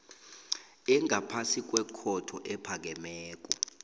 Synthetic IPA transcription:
ɛŋʱapʰasik̬ʼwɛkʰɔtʰɔʔɛpʰak̬ɛmɛːk̬ʼɔ

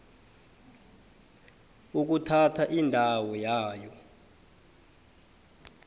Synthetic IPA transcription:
uk̬utʰatʰaʔindʱawɔjaːjɔ

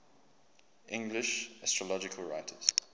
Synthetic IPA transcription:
ʔɪ̃ŋɡlɪʃastɹ̥əlɔd͡ʒɪkʰəlɹaɪtʰəz̥

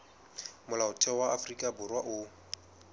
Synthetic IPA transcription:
mʊlaʊtʰɛwaafrikʼabʊrwaʔʊ

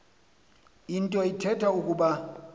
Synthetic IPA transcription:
intʼɔitʰɛtʰaukʼuɓa

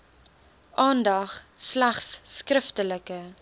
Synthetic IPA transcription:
ʔɑːndɐχslæχsːkrəftələkə

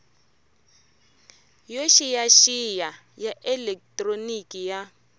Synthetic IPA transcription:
joʃijaʃija | jaʔɛlɛk̚tʼronikija

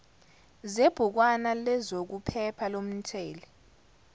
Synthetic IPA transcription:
zeb̥ʱuk̬wanalɛzok̬upʰɛpʰalom̩tʰɛːlɛ

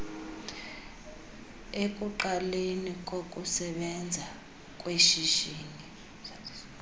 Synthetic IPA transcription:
ekʼuǃalenikʼokʼusɛɓɛnd͡zʱa | kʼweʃiʒiːŋi

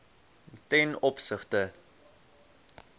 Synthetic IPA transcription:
tɛnɔpsəχtə

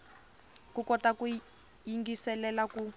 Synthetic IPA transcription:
kukɔtaku | jiŋɡisɛlɛlaku

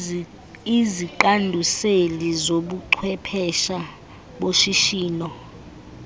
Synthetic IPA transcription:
iziǃandʱuselizoɓuǃʰwɛpʰɛʃa | ɓoʃiʃiːnɔ

